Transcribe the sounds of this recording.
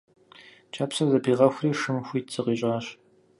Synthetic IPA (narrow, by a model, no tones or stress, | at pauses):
t͡ʃʰʼaːpsɐzɐpʰiːʁɐxʷʊriːʂɨmxʷiːtt͡sʰɨqiːɕʼaːɕ